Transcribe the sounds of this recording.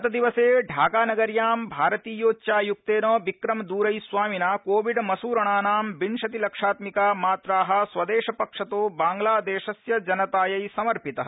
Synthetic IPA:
ɐt̪ɐd̪iʋɐseːɖʱaːɡaːnɐɡɐɾjaːmbʱaːɾɐt̪iːjoːt͡ʃaːjuk̚t̪eːnoːʋikɾɐmd̪uːɾɐjsʋaːminaːkoːʋiɖmɐsuːɾɐɳaːnaːmbinʃɐt̪ilɐkʂaːt̪mikaːmaːt̪ɾaːɦɐ̆sʋɐd̪eːʃɐpɐkʂɐt̪oːbaːŋɡlaːd̪eːʃɐsjɐd͡ʒɐnɐt̪aːjɐjsɐmɐɾpit̪ɐɦɐ

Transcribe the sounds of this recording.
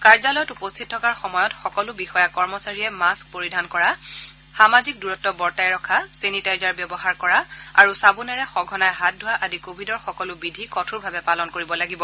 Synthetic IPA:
kaɹzalɔjɔtupostʰit̚tʰɔkaɹxɔmɔjɔtxɔkɔlʊbixɔjakɔɹmɔsaɹijɛmask̚poɹidʱankɔɹa | xamazik̚duɹɔtːɔbɔɹtajɹɔkʰasenitajzaɹbjɔbɔɦaɹkɔɹaa̰ɹusabunɛɹɛxɔɡʱɔnajɦat̚dʱʊwaʔadikobʱidɔɹxɔkɔlʊbidʱikɔtʰuɹbʱabɛpalɔnkoɹibɔlaɡibɔ

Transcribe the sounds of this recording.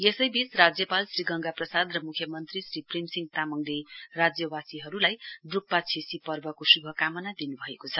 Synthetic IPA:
jesʌjbisrad͡zjʌpalsriɡʌŋɡaprʌsad̪rʌmukʰjʌmʌnt̪risriprimsiŋɡ̚t̪amʌŋlerad͡zjʌbasiɦʌɾulajɖrupːat͡sʰesipʌrbʌkosubʱʌkamʌnad̪inubʱʌekot͡sʰʌ

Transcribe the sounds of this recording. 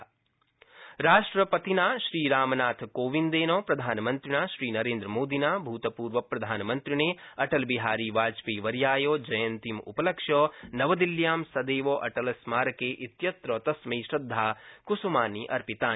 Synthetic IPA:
ɾaːʂʈɾɐpɐt̪inaːʃɾiːɾaːmɐnaːt̪ʰkoːʋind̪eːnoːpɾɐd̪ʱaːnɐmɐnt̪ɾinaːʃɾiːnɐɾẽːnd̪ɾɐmoːd̪inaːbʱuːt̪ɐpuːɾʋɐpɾɐd̪ʱaːnɐmɐnt̪ɾineːɐʈɐlbiɦaːɾiːʋaːt͡ʃpiːʋɐɾjaːjoːd͡ʒɐjɐnt̪imṵpɐlɐkʃjɔːnɐʋɐd̪iljaːmsɐd̪eːʋoːʔɐʈɐlɐsmaːɾɐkeːʔit̪jɐt̪ɾoːt̪ɐsmiːʃɾɐd̪ʱːaːkusumaːniːʔɐ̰ɾpit̪aː

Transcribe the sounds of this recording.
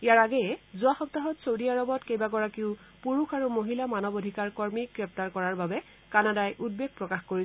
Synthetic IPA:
ijaɹaɡɛjɛzʊaxɔp̚taɦɔtsowdiaɹɔbɔtkejbaɡɔɹakiʊ | puɹuxaɹumoɦilamanɔbodʱikaɹkɔɹmiɡɹɛp̚taɹkɔɹaɹbabɛ | kanadajʔud̚beɡ̚pɹɔkaxkoɹisɛ

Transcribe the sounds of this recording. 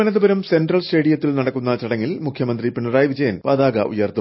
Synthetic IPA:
ɐnɐðubɐɾɐmse̞nɖrɐɭsʈe̞ːɽijɐt̪ːilnɐɽɐkːunːɐt͡ɕɐɽɐŋːilmukʰjɐmɐnd̪ripiɳuraːjʋid͡ʑɐjɐnpaːðaːɡɐʔṵjːɐrt̪ːu

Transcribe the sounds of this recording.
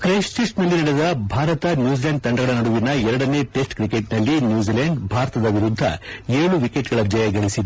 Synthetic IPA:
kɾeːsʈesʈnɐlːinɐɽed̪ɐbʱaːɾɐt̪ɐnjuːd͡ʒilɐɳɖ̚t̪ɐɳɖɐɡɐɭɐnɐɽuʋinɐɛɾɐɽɐne̞ʈe̞sʈkɾikeʈnɐlːinjuːd͡ʒilɐɳɖbʱaːɾɐt̪ɐd̪ɐʋiɾud̪ʱːɐeːɭuʋikeʈɡɐɭɐd̪jɐjɐɡɐɭisid̪e

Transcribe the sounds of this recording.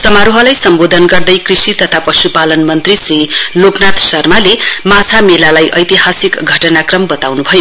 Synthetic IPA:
sʌmaɾoɦʌlajsʌmbod̪ʱʌnɡʌrd̪ʌjkrisit̪ʌt̪ʰapʌsupalʌnmʌnt̪risriloknat̪sʌrmalemat͡sʰamelalajʔʌjt̪iɦasikɡʱʌʈʌnakrʌmbʌt̪awnubʱʌjo

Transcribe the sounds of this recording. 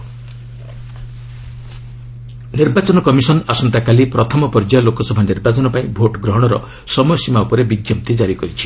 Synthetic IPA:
niɾbat͡ʃɔnɔkɔmisɔnasɔnt̪akalipɾɔt̪ʰɔmɔpɔɾd͡ʒajlokɔsɔbʱaniɾbat͡ʃɔnɔpaĩbʱoʈɡɾɔɦɔɽ̃ɔɾɔ̰ | sɔmɔjɔsimaupɔɾebiɡjɔp̚t̪id͡ʒaɾikɔɾit͡ʃʰi̥

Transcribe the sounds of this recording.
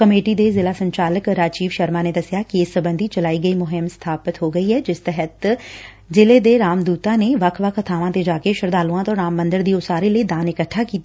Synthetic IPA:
kəmeːʈiːd̪eːzɪlaːsəɲt͡ʃaːləkɾaːt͡ʃiːʋʃəɾmãːneːd̪əsɪjaːkɪeːsəbənd̪iːt͡ʃəlaːiːɡəiːmʊɦɪmst̪ʰaːpət̪ɦoːɡəiːɦɛːd͡ʒɪst̪ɛɦət̪ | zɪleːd̪eːɾaːmd̪uːt̪ãːneːʋəkʰʋəkʰət̪ʰaːʋãːt̪eːd͡ʒaːkeʃəɾd̪aːluãːt̪õːɾaːmːə̃nd̪əɾd̪iːʊsaːɾeːləiːd̪aːnɪkəʈʰːaːkiːt̪a

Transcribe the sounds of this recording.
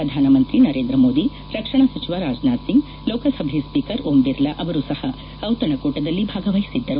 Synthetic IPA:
pɾɐd̪ʱaːnɐmɐnt̪ɾinɐɾeːnd̪ɾɐmoːd̪i | ɾɐkʂɐɳ̃ɐsɐt͡ʃiʋaɾaːd͡ʒnaːsiŋɡ | loːkɐsɐbʱispiːkɐɾoːmb̪iɾlɐʔɐʋɐɾusɐhɐ | ɐwt̪ɐɳɐkoːʈɐd̪ɐlːibʱaːɡɐʋɐjisid̪ːɐɾu

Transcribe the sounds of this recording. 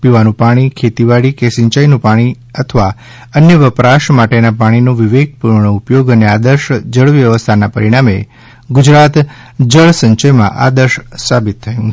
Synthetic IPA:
piʋanũpaɽ̃ikʰet̪iʋaɽikesɪ̃ɲt͡ʃajnũpaɽ̃i | ət̪ʰəʋa | ənjəʋəpɾaʃmaʈenapaɽ̃inoʋiʋeɡ̚puɾɳəupjoɡənead̪əɾʃd͡ʒəɭʋjəʋəst̪ʰanapəɾiɽ̃amḛ | ɡʊd͡ʒɾat̪ | d͡ʒəɭsə̃ɲt͡ʃəjmã̰ʔa̰d̪əɾʃsabit̪ʰːəjũ

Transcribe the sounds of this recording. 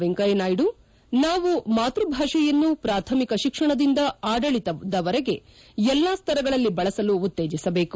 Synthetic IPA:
ʋɛŋkɐjenaːjiɽu | naːʋumaːt̪ɾubʱaːʂɐjɐnːupɾaːt̪ʰɐmikɐʃikʂɐɳɐd̪ind̪ɐaːɖɐɭit̪ɐd̪ɐʋɐɾɛɡe̞ | ɛlːaːst̪ʰɐɾɐɡɐɭɐlːibɐɭɐsɐluːt̪ːeːd͡ʒisɐbe̞ːku̥

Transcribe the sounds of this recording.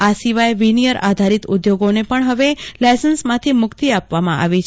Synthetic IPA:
asiʋajʋinijəɾa̰d̪ʱaɾit̪ʊd̪joɡonepəɳɦəʋelajsənsmãt̪ʰimʊkt̪iapʋamãʔa̰ʋit͡ʃʰ

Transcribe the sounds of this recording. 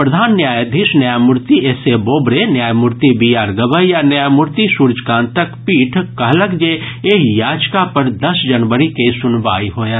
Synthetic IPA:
pɾɐd̪ʱaːnːjaːjəd̪ʱɪʃnjjajmʊɾt̪ieːseboːbɾenjaːjmʊɾt̪ibijaːɾɡəʋəɦjanjjaːjmʊɾt̪isuːɾd͡ʒkãːnt̪əkpiːʈʰkɐɦlɐɡd͡ʒeeːkjaːd͡ʒkapɐɾd̪ɐsd͡ʒɐnʋəɾikesʊnʋaːiɦoːje

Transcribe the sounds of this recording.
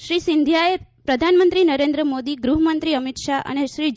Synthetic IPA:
ʃɾisɪnd̪ʱjaepɾəd̪ʱanmənt̪ɾinəɾend̪ɾəmod̪iɡɾuɦəmənt̪ɾiəmit̪ʃaʔə̰neʃɾi

